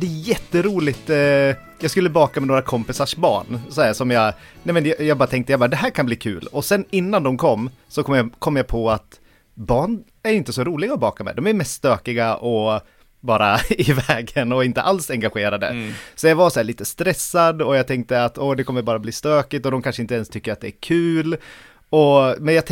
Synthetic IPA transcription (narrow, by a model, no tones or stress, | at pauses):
d̪ɛæjɛt̪ːəɾuːlɪt̪ | jɑːɡskɵlːəbɑːkamɛnoːɾakʰɔmpɪsaʂbɑ̰ːɳsɔhæːʂɔmjɑ | nɛɪmɛnjɑjɑɡbɑːɾat̪ʰɛŋkt̪əjabɑːɾad̪ɛɦæːɾkʰanbliːkʰʉ̰ːlɔsɛnɪnːand̪ɔmkʰɔmː | sɔkʰɔmjakʰɔmːjapʰɔat̪ | bɑːɳ | æɾɪnt̪əsɔɾuːlɪɡaɔbɑːkamɛ̰d̪ɔmæɾmɛst̪ːst̪øːkɪɡaʔɔ | bɑːɾaɪvɛːɡənɔɪnt̪ə̰ʔalsɛŋɡaɧeːɾad̪ə̰sɔjɑvaɾsɔæːɭiːt̪əst̪ɾɛsːad̪ɔjaɡt̪ʰɛŋk̚t̪əat̪ɔd̪ɛkʰɔmːəɾbɑːɾabliːst̪øːkɪt̪ɔd̪ɔmkʰanʂəɪnt̪əɛnst̪ʰʏkːəɾat̪̚d̪ɛæɾkʰʉ̟ːl | ɔmɛnja